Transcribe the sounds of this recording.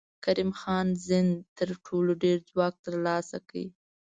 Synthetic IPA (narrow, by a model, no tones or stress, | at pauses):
kaɾimxɑnzɪnt̪əɾʈʰoloɖeɾd͡zwɑk̚t̪əɾlɑsakəi